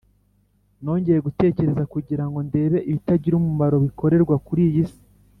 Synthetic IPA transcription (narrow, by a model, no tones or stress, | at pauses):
no̞ːɲɟe̞je̞ɡute̞ːce̞ɾe̞zakuɟiɾaŋɡo̞nde̞ːβe̞ʔiβitaɟiɾumumaɾo̞βiko̞ɾe̞ɾɡwakuɾijisi̥